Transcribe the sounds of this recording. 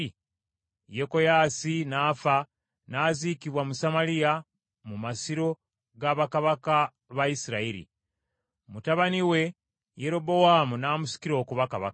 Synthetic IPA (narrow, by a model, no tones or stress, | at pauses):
jeko̞jaːsinaːfa | naːzikiβwamusamalija | mumasiɾo̞ | ɡaβakaβaka | βajisiɾaiɾḭ | mutaβaniwe̞ | je̞ɾo̞bo̞waːmunaːmusi̥kiɾo̞ːkuβakaβa̰k